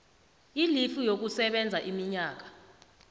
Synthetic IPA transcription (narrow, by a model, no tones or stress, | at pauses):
ilifujok̬usɛɓɛnd͡zʱaʔimiɲaːk̬ḁ